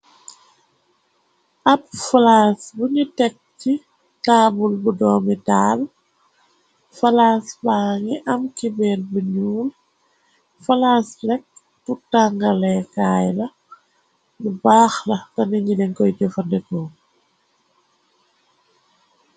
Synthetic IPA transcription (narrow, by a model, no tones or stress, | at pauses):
ʔɐpfalaːsbuɲitɛk̚ci | taːbulbudɔːmidaːl | fɐlaːsbaːŋiʔɐmkibɛːlbuɲuːl | fɐlaːslɛk̚ | tutaŋɡɐlɛkaːjlɐ | nubaːxlɐtɐniɲɡilɛŋkɔjɟɔfɐdɛkɔː